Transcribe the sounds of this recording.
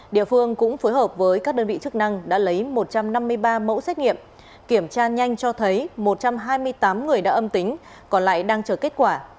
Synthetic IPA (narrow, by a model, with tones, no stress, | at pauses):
ɗḭ˧˨əfɨ˧əŋkʊ̰˧˥ŋ͡mfoː˨˦jɦəː˨˩p̚vəː˨˦jkaː˦˥k̚ɗəː˧nvḭ˧˨t͡ɕɨ˦˥k̚na˧ŋɗa̰ː˧˥lə˨˦jmo˨˩t̚t͡ɕa˧mna˧mːɨ˧əjɓaː˧mo̰˧˥sɛ˦˥t̚ŋḭ˧˨əm | ki˧˩əmt͡ɕaː˧ɲa˧jŋ̟t͡ɕɔ˧t̪ʰə˨˦jmo˨˩t̚t͡ɕa˧mɦaː˧jmɨ˧əjt̪aː˨˦mŋɨ˨˩əjɗa̰ː˧˥ʔə˧mt̪ï˨˦ŋ̟ | kɔ˨˩nla̰ː˧˨jɗaː˧ŋt͡ɕəː˧˩ke˦˥t̚kwaː˧˩